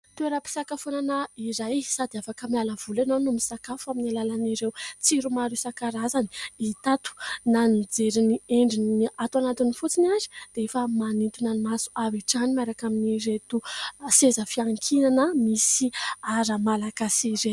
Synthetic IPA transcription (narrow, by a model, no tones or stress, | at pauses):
t̪ueɾəpi̥sakafonanəiɾajsad̪iafakəmialəv̥ulanonumisakafuaminalalaniɾewt͡siɾumaɾusakaɾazani̥it̪at̪u̥nanid͡zeɾinieɳɖ͡ʐinniat̪wanat̪inifut͡sinazi̥d̪̥eefəmanit̪unanimasu̥aviʈ͡ʂanimaɾakaminiret̪usezəfiaŋkʰinanəmisiaɾəmalaɡasiɾe̥